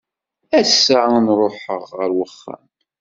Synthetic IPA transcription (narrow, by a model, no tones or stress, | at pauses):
æsːanɾˤoħəʁːəɾwəχːæ̰n